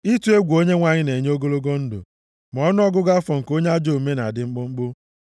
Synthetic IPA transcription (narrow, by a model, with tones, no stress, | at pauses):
i˦tu˨˦e˦ɡʷo˦ɲe˦ŋʷa˨ɲɪ˦ne˨ɲ˦o˦ɡo˦lo˦ɡo˦n̩˦dʊ̰˨ | m˨ɔ˦nʊ˦ɔ˦ɡʊ˦ɡa˦fɔ˨ŋ̩˨ko˦ɲe˦a˦d͡ʒo˦˨me˦na̰˨dɪ˨ŋ͡m̩˦ɡ͡bʊ˦ŋ͡m̩˦ɡ͡bʊ˦